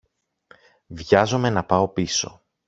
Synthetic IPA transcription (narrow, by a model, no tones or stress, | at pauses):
vʝɐzome̞nɐpɐo̞piso̞̰